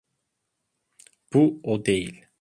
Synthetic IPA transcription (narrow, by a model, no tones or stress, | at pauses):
b̥uod̪ejil